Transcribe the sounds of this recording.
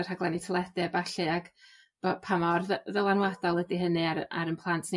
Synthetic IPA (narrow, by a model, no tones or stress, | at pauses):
r̥haɡlˠɛnitʰəlˠɛdɨbaɬɨaɡ̥ | b̥ɔpʰamɔrððəlˠanwad̥ɔlˠədiɦənɨaɾʔa̰ɾənpʰlˠantʰne